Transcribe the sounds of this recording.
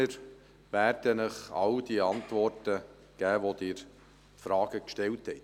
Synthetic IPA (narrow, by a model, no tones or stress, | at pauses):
əɾ | ʋæːɾd̥ənəχɑ̰wd̥iɑntʋɔrtə | ɡ̥æːʋod̥̪ɪːɾ | fɾɑːɡ̥əkʃtɛlthɛt